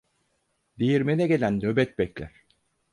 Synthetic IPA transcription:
d̪ejiɾmenɛɡelʲænːøbɛt̪̚bɛclʲæ̰ɾ̥

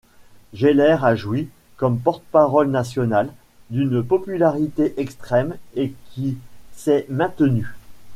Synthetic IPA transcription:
ʒelɛʁaʒwi | kɔmpɔʁt̪ə̥paʁɔlnasjɔnal | d̪ynpɔpylaʁit̪eʔɛkst̪χɛmekʲʰisɛmɛ̃t̪ny

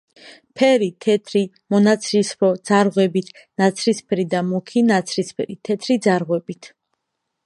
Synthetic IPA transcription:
pʰɛɾit̪ʰɛt̪ʰɾi | mɔnat̪sʰɾispʰɾɔd̪z̥aɾʁwɛbit̪ʰ | nat̪sʰɾispʰɾid̪amukʰinat̪sʰɾispʰɛɾit̪ʰɛt̪ʰɾid̪zaɾʁwɛbit̪ʰ

